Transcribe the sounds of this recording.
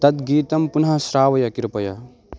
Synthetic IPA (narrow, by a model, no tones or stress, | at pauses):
t̪ɐt̪ɡiːt̪ɐmpunɦasɾaːwɐjɐkiɾpɐja̰